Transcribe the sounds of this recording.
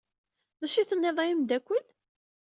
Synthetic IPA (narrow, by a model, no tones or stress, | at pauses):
ðˤɑʃiθənːeðˤɑjəmd̪ækʷːəl